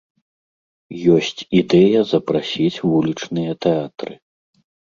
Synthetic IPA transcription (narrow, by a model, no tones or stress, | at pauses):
jɔsʲt͡sʲid̪ɛjɐzɐpɾasʲit͡sʲvulʲit͡ʂnɨjɐt̪ɛat̪ɾɨ